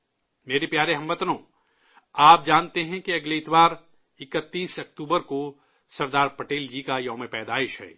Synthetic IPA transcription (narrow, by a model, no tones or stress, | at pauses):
meːɾepjaːɾeɦɐmʋət̪nõː | aːp̚d͡ʒaːnt̪eɦɛ̃kiɐɡleɪt̪waːɾ | ɪkət̪ːiːsɐkt̪uːbəɾko | sɐɾd̪aːɾpɐʈeːld͡ʒikajɐːmẽpɛːd̪aːɪʃɦɛ̰ː